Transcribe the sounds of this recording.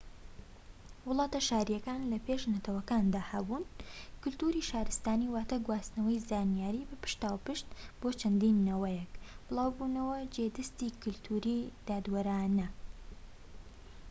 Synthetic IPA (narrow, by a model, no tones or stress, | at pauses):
wʊlˠɑːt̪ɐʃaːɾijɛkaːnlɐpeʃnɐt̪ʰɐwɐkaːnd̪aːhɐbuːnkʊlt̪uɾiʃaːɾɨst̪aːniwaːt̪ɐɡwaːsnɐwɐjzaːnijaːɾibɐpɨ̥ʃt̪aːwpɨʃt̪boːt͡ʃʰɐnd̪iːnːɐwɐjɛkb̥ɨlˠaːwbunɐwɐd͡ʒed̪ɐst̪iːkʊlt̪ʰuɾid̪̥aːd̪wɐɾaːnɐ